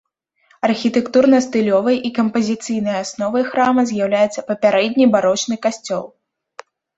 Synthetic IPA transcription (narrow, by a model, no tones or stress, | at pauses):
ɐrxʲit̪ɛkt̪urnɐst̪ɨlʲɔvɐjʔikɐmpɐzʲit̪sɨjn̪ɐjasnɔvɐjxɾamɐzʲjawlʲajɛt̪sɐpɐpʲaɾɛd̪ʲnʲibaɾɔt͡ʂnɨkasʲt͡sʲɔ̰lˠ